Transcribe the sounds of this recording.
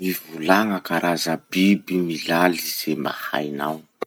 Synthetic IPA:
mivulaŋəkaɾʔazəb̥ibimilaliz̥emba̰ha̰jnaw

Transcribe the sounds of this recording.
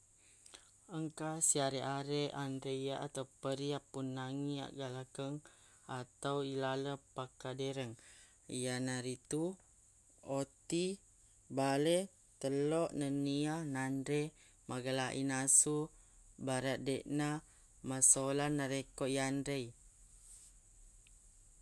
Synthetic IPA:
əŋkasiaɾeʔaɾeʔandɾejjaʔat̪awpəɾiapːunːaŋia̰ʔɡalakəŋ | at̪awilaləpakadeɾəŋ | ijanaɾit̪u | ot̪i | bale | t̪əloʔnənianandɾe | maɡalaʔḭnasubaɾat̪̚deʔna | masolanaɾekoʔiandɾej

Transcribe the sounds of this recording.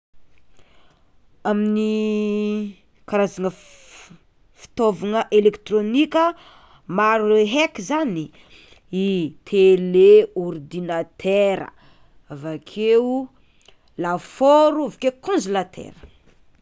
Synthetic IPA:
amini | kaɾazaŋə | fi̥t̪ovaŋəʔelekt̪ronikʲə | maɾueɦekizani | it̪ʰeleord̪inat̪ʰɛɾə̰ | avakʰe | lafoɾuavakekõnzilat̪ʰɛ̰ɾə̥

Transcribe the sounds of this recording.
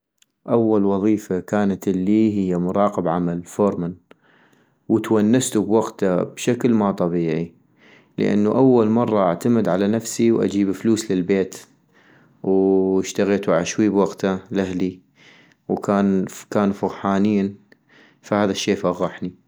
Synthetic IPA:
ʔawːalwɑðˤiːfakaːnat̪lːiːɦɪjːamʊɾˤɑːqɪbʕamalfoɾˤman | wt̪wanːast̪ubwaɡt̪abʃaklmat̪ˤɑbiːʕi | lə̰ʔa̰nːuʔawːalmɑrˤːɑʔaʕt̪amɪd̪ʕalanafsiwʔa̰d͡ʒiːbfluːslɪlbeːt̪ | wɪʃt̪aɣeːt̪uʕaʕaʃwiːbwaɡt̪alahli | wkaːnkaːnfʊɣħaːniːn | fahaːðaʃːeːfaɣːɑħni

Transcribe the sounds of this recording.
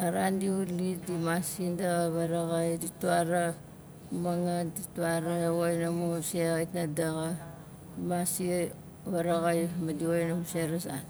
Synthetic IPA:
aɾandiulidimasindaɣaβaɾaɣajdituaɾa | maŋadituaɾaojnamuseɣajtnadaɣa | imasi | βaɾaɣajmadiojnamuseɾasa̰

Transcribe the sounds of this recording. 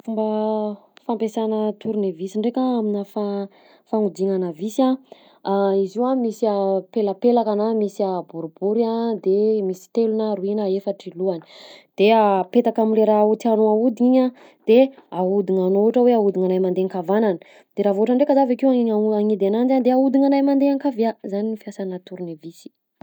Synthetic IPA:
fumbə | fampesanət̪ʰuɾunivisiɳɖ͡ʐekaaminəfa | faŋud̪iŋanəvisa | aiziwamisiapelapelakanamisiabuɾubuɾad̪emisi̥t̪elunaɾuinəefaʈ͡ʂiluanə̥d̪̥eapet̪akamileɾaut̪ianoaud̪iiɲa | d̪̥eaud̪iŋanoʈ͡ʂəweaud̪iŋanajmand̪eŋkavananə̥ | d̪̥eɾavoaʈ͡ʂaɳɖ͡ʐekəzavakiwaaŋid̪eanand͡ʒand̪eaud̪iŋanajmand̪eaŋkaviazaninifiasanat̪uɾunavisi̥

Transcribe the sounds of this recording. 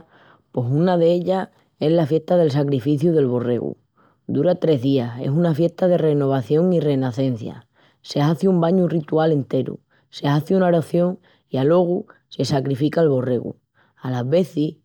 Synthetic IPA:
pe̞sunaðe̞eʎa | e̞ɦlafje̞ht̪aðe̞ls̬akɾifiθjuðe̞lβo̞re̞̰ɣṵ | d̪uɾat̪ɾe̞ɦðiase̞̰sunafje̞ht̪að̞e̞re̞no̞β̞aθjo̞ŋire̞naθẽ̞n̟θja̰ | se̞aθjumbaɲurit̪uale̞nt̪e̞ɾṵ | se̞aθjunaɾaθjo̞ŋ | ialo̞ɣ̞use̞sakɾifikaːlβo̞re̞ɣṵ | alazβe̞θi

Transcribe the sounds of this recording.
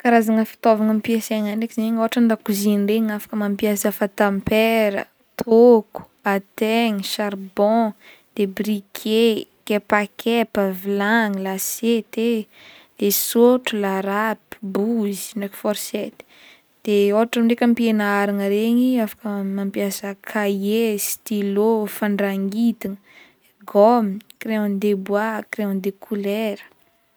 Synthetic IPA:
kaɾazaŋəfi̥t̪ovaŋampieseŋanekizaɲoɦaʈ͡ʂənd̪akuzinreɲafḁkəmampiasafat̪ãmpeɾə̰ | t̪ʰoku̥ | at̪eŋiʃarbɔ̃ | d̪̥ebrikʰekepakʰepəvilaŋilaset̪e | d̪̥esoʈ͡ʂulaɾapi̥buzi̥neki̥fɔɾsɛt̪i̥ | d̪̥eoaʈ͡ʂamiɳɖ͡ʐekʲampienaaɾaŋəɾeɲiafḁkəmampjasakʰajest̪ilofaɳɖ͡ʐaŋɡit̪iŋə | ɡɔmkrẽnd̪ebwakɾẽnd̪ekʰulɛɾə̥

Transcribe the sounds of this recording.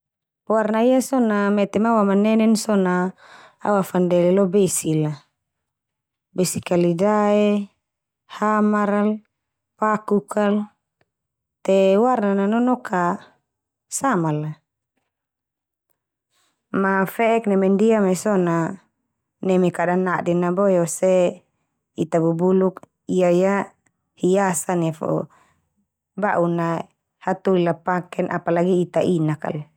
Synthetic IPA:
warnaijasɔnamɛt̪ɛmawamanɛnɛnsɔna | a̰wafandɛlɛlɔbesila | besikalidaɛ | hamaɾal | pakukʰal | t̪ewarnananɔnɔkʰa | samala | mafɛɛk̚nɛmɛndiamɛsɔna | nɛmikadanaʔdɛnabɔjɔsɛ | it̪abubuluk | iaja | hiasanafɔ̰ | baʔuna | hat̪uilapakɛnʔa̰palaɡiːt̪aʔinaka̰l

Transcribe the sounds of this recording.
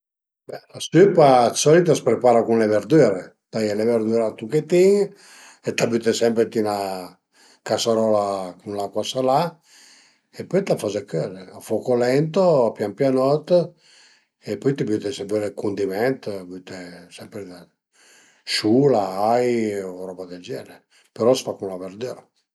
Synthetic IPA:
bɛlasypasɔlit̪aspɾepaːɾakunleveɾd̪yɾe | t̪ajɛleveɾd̪yɾat̪uket̪iŋ | et̪abyt̪esɛmpɾet̪ina | kasaɾɔlakunlakɔsala | epːɔjt̪afɔzɛkːøleafɔkolɛnt̪oapjampjanɔt̪ː | epːɔjt̪ibyt̪esɛmpɛɾekund̪imɛnt̪byt̪esɛmpɾed̪a | ʃulaajoɾɔbad̪ed͡ʒɛle | peɾɔsfakunlaveɾd̪yɾe

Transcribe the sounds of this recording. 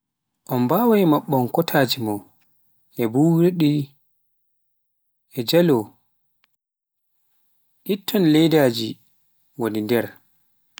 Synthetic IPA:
ʔɔnbaːwajmaɓːɔnkɔtʰaːd͡ʒimɔ | ʔɛbuːɾɗi | ʔɛd͡ʒalɔ | ʔitːɔnlɛjdaːd͡ʒi | wodindɛɾ

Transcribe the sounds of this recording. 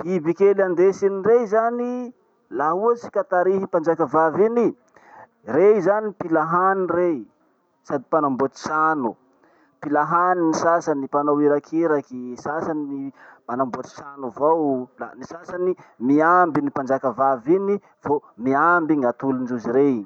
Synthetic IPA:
ibikeland̪esinirezani | laɦuat͡si̥kat̪aɾiɦipand͡ʒakavavini | rezanipilaɦanire | sad̪ipanambot̪i̥sanu | pilaɦaninisasanipanowiɾakʰiɾakisasaninimanambot̪i̥sanuvawla̰nisasanimiambinipand͡ʒakavavini | vomiambiŋat̪ulund͡ʒuziɾe

